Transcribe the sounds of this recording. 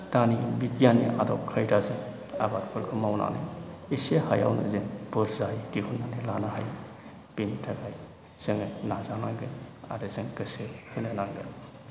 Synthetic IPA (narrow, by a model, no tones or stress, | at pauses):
tanibikijanḭʔa̰dɔkʰajdazɯŋ | a̰batkʰɔlkʰɯmawna̰nɯ̰isehaja̰wnɯ̰zeŋpɔɾzajdiɦunːanilanaɦaj | pintʰaɡaj | z̥ɯŋnazanaŋɡɯna̰dɯzɯŋkɯsehɯnɯnaŋɡɯ̰n